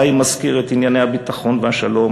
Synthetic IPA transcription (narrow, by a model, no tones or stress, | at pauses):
imazkiʁet̪injanejhabit̪aχo̞nvehaʃalo̞